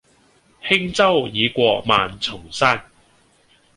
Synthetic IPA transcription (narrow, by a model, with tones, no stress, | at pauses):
hɪ˥ŋt͡sɐ˥wjiː˨˧kʷɔː˧k̚ma̰ː˨nt͡sʰʊ˨˩ŋsaː˥n